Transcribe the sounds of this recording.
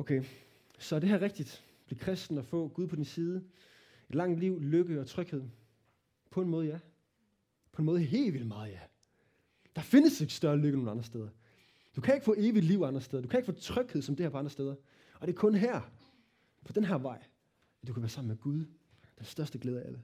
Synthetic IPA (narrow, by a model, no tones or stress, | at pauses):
okʰe | sɒ̽d̥e̝ɦæɐʁeɡ̥d̥id̥ | b̥liɐkʰʁɛsd̥n̩ɒfɔ̰̽ːɡ̥uð̞ˠpʰɒ̽d̥insiːð̞ˠə | e̝d̥lɑ̈ŋ̰d̥liʊ̰løɡ̥əɒ̽t͡sʰʁœɡ̥he̝ð̰ˠ | pʰɒ̽e̝nmɔ̽ːð̞̩ˠjæ | pʰɒ̽enmɔð̩ˠɦe̝̰ːlʋil̰mɑ̈ːð̞̩ˠjæ | d̥ɑ̈fe̝nəse̝ɡ̥sd̥ɶɐløɡ̥əno̝ːnɑ̈nd̥ʁɐsd̥eð̞ˠɐ | d̥ukʰæe̝ɡ̥fɔ̰̽ːe̝ːʋi̥liʊɑ̈nd̥ʁɐsteðˠɐd̥ukʰæeɡ̥fɔ̰̽ːt͡sʰʁœɡ̥heð̰ˠsɒ̽md̥e̝hæɐpʰɒɑndʁɐsteːðˠɐ | ʔɒ̽d̥e̝ɐkʰɔ̽nɦæɐ̰ | pʰɒ̽d̥enɦæɐʋɑ̈ɪ̰ | æ̥d̥ukʰæʋæːɐsɑ̈m̰̩meɡ̥uð̞ˠ | d̥ensd̥ɶɐsd̥əɡ̥leːðˠɐæʔælə